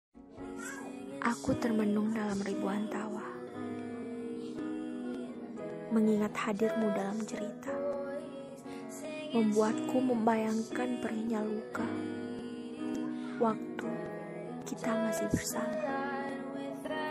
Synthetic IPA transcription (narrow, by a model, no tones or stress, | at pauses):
ʔakut̪ərmənʊŋdalamribuant̪awah | məŋiŋat̪hadɪrmudalamt͡ʃəɾit̪a | məmbuat̪̚kuməmbajaŋkanpəriɲaluka | wak̚t̪u | kit̪amasihbərsamaa